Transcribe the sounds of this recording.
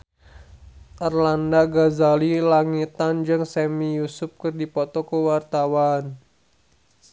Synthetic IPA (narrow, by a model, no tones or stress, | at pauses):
ʔərlandaɡazalilaŋit̪and͡ʒɨŋsɛmijusʊp̚kɨrdipɔt̪ɔkəwart̪awan